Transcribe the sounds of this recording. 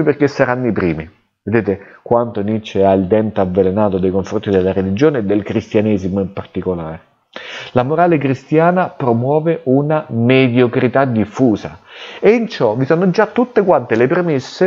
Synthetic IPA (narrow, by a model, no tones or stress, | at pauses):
iperkesːaɾanːoipɾiːmi | ved̪eːt̪ekwant̪onit͡ʃːeailt̪ɛnt̪avːelenaːt̪od̪ejkoɱfɾont̪id̪elːaɾelid͡ʒoːneːd̪ːelkɾist̪janɛːszimoimpart̪ikolaːɾe | lamoɾaːlekɾist̪jaːnapɾomwɔːveʔunamed̪jokɾit̪ad̪ifːuːza̰eint͡ʃɔvisoːnod͡ʒat̪ːut̪ːekwant̪elepɾemesːe